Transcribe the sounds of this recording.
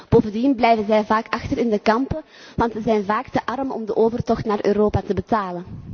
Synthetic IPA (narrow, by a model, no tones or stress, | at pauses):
b̥oːvəndinblɛjvənzɛjvaːkɑxtəɾɪndəkɑmpə | ʋɑntsəzɛjnvaːktəʔɑrəmɔ̰mdəʔoːvərtɔxtnaːrʔøːɾoːpatəbətaːlən